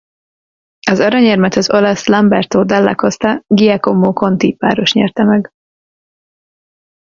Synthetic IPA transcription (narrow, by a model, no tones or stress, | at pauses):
ɒzɒɾɒɲɛrmɛt̪ɒzo̞lɒslɒmbɛrt̪oːd̪ɛlːa̰ko̞st̪ɒɡijɛkomːoːko̞nt̪ipa̰ːɾo̞ʃɲɛ̰rt̪ɛmɛɡ